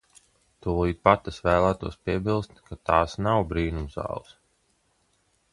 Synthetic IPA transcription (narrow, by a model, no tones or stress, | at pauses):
t̪uɔlˠiːpat̪asvæːlˠæːt̪uɔspiɛbilˠst̪kat̪aːsnawbɾiːnumz̥ɑ̰ːlˠɨs